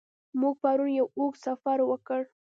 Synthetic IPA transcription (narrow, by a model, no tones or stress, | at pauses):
mʊk̚paɾʊnjaʊksafaɾwakəɽ